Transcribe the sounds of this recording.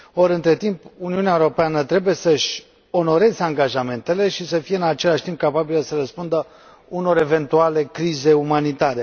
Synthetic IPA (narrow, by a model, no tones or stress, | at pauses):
o̞ɾɨnt̪ɾe̞t̪impuniuneaeuɾo̞peanət̪ɾe̞buje̞səʃʲ | o̞no̞ɾe̞zeaŋɡaʒame̞nt̪e̞le̞ʃisəfijeɨnat͡ʃe̞laʃt̪imp̚kapabiləsəɾəspund̪ə | uno̞ɾe̞ve̞nt̪uale̞kɾize̞umanit̪aɾe̞